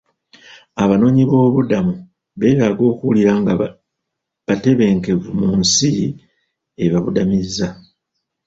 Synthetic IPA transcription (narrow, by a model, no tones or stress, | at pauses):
aβano̞ːɲiβo̞ːβudamu | βe̞ːβaːɡo̞ːkuwliɾaːŋɡa | βate̞βe̞ːŋke̞vumunsi | e̞βaβudamiza